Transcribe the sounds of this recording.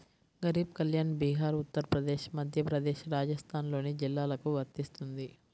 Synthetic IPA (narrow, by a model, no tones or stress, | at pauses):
ɡɐɾiːb̚kɐljaːnbiːɦaːɾut̪ːɐɾɐpɾɐd̪eːʃmɐd̪ʱjɐpɾɐd̪eːʃɾaːd͡ʒɐst̪ʰaːnlo̞ːnid͡ʒilːaːlɐkuʋɐɾt̪ist̪und̪i